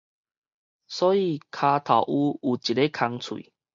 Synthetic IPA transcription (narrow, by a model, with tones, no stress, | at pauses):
sɔː˦i˧˨kʰa˧t̪ʰa˨˩ʊʔu˦u˨˩t͡ɕi˨˩e˦kʰa˧ŋt͡sʰwuḭ˨